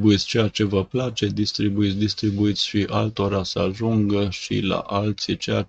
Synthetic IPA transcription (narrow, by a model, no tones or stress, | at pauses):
buit̪sʲt͡ʃe̞jat͡ʃe̞vəplat͡ʃe̞d̪ist̪ɾibuit̪sʲd̪ist̪ɾibuit̪sʲʃiʔalt̪oɾasəaʒuŋɡəʃḭla̰ʔalt̪sit͡ʃeja